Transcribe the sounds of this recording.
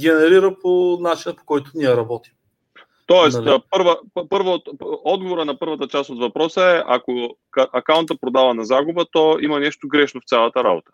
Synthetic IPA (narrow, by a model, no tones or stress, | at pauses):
ɡɛnɛɾiɾəponat͡ʃinəpo̥kɔjt̪ʊniɛɾɐbɔt̪i̥m | t̪ɔɛst̪pɤɾvəpɤɾvəot̪ɔd̪ɡovoɾənɐpɤɾvət̪ət͡ʃast̪ot̪vɐpɾɔsəɛʔakokʔɐkaʊnt̪əpɾod̪avɐnɐzaɡʊbət̪ɔimɐnɛʃt̪oɡɾɛʃnoft̪sʲalˠət̪əɾa̰bo̰t̪ə̥